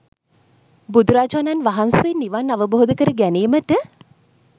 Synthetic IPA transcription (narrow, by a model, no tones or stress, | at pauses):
bud̪uɾaːd͡ʒananʋaɦansenːiʋanːaʋəboɦod̪əkəɾəɡæneːməʈə